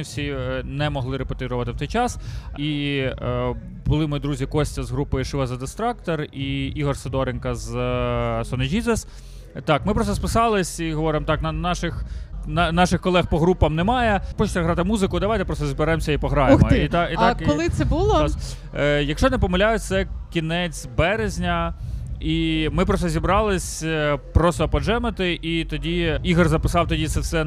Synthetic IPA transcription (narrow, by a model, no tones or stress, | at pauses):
ɪwsʲinɛmɔɦlˠɪɾepot̪ʲiɾʊʋɐt̪ɪwt̪ɔjt͡ʃɑsi | bʊlˠɪmɔjid̪ɾuzʲikɔsʲtʲɐzɦɾupɪʃɪʋɐzɐd̪ɪst̪ɾɑkt̪eriiɦɔrsed̪ɔɾenkɐz | sɔnɪd͡ʒʲizes | t̪ɑkmɪpɾɔsɔspɪsɑlˠɪsʲiɦɔʋɔɾɪmt̪ɑknɐnɑʃɪxnnɑʃɪxkɔlˠɛxpɔɦɾupɐmnɛmɑjɛpɔt͡ʃɪ̥t̪ʲɐɦɾɑt̪ɪmuzɪkʊd̪ɐʋajt̪ɛpɾɔst̪ɔzbɪɾɛmsʲɐipɔɦɾɑjmɐit̪ɑit̪ɑkɔlˠɪt̪sɛbulˠɔs | jɐkʃt͡ʃɔnɛpɔmɐlʲajʊt̪sɛkʲinɛt͡sʲbɛɾezʲnʲɐ | imɪpɾɔst̪ɔzʲibɾɑlˠɪsʲpɾɔsɔpɔʒɛmɪt̪ɪʔit̪ɔdʲiiɦrzɐpɪ̥sɑwt̪ɔdʲit̪sɛsɛ